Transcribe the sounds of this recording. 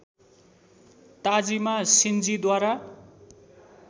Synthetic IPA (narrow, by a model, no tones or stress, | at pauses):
t̪ad͡zimasind͡zid̪waɾa